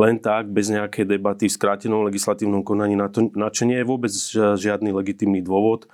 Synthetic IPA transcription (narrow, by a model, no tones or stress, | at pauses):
lɛnt̪aɡ̚bɛzɲɛakɛjd̪ɛbat̪ifskɾaːcɛnɔmlɛɡislat̪iːʊnɔmkɔnaɲiːnat̪ɔnat͡ʃɔɲɪɛjɛʋʊɔbɛd͡zʒɪad̪niːlɛɡit̪iːmniːd̪ʊɔʋɔt̪